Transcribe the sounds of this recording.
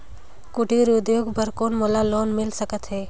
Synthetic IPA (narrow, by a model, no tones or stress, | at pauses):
kʊʈiɾʊd̪joːɡpəɾkoːnmolaloːnmɪlsəkət̪ɦɛː